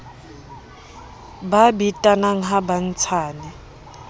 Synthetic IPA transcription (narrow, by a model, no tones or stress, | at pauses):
babitʼanaŋ̩ɦaban̩t͡sʰaːnɛ